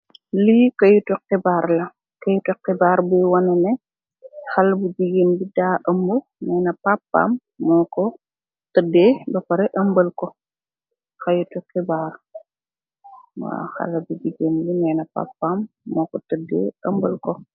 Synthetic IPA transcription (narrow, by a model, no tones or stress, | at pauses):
likɐjutuqɛbaːɾlɐ | kɐjutuqːɛbaːɾbɛwɐnɐnɛ | xɐlɐbud͡ʒiɡenbidaːʔɐmbu | nɛːnɐpapːa̰ːmː | ɔːkɔ | tədːebɐpɐɾɛʔɐmbəlkɔ | xɐjutuqɛbaːɾ | wa̰xɐ̰lɐbud͡ʒiɡenbinɛnɐpa̰pːamːɔkɔtədḛːɐmbəlkɔ